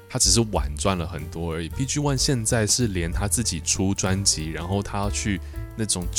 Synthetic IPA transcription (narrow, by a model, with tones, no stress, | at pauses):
t̪ʰa˥ʈ͡ʂɻ̩˨˩ʂ̬ɻ̩˥˩wa̰˨˩nt͡swa˥˩nlə˩xə˨˩nt̪wɔ˥ə˞˧˥i˨˩pi˥˩ɕy˥wa˥˧nɕjɛ˥˧nt͡sa˥˧ɪʂɻ̩˥˩ljɛ˧˥nt̪ʰa˥t͡sɹ̩˥˩t͡ɕi˨˩ʈ͡ʂʰu˥ʈ͡ʂwa˦˥nt͡ɕi˧˥ɻa˧˥nxo˥˩ʊt̪ʰa˥jɑ˥˧ʊt͡ɕʰy˥˧ | na˥˩ʈ͡ʂʊ˨˩ŋ